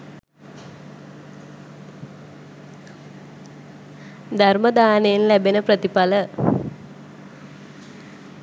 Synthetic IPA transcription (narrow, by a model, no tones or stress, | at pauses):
d̪arməd̪aːnejenlæbenəprət̪ipalə